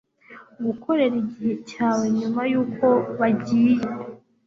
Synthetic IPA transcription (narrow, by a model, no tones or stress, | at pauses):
ɡukʰo̞ɾe̞ɾiɟihe̞caːwe̞ɲumajuːko̞βaɟiːje